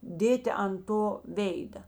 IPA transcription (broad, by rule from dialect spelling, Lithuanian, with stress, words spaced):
ˈdʲeːtʲɪ ɐn ˈtoː ˈʋʲeːɪdɐ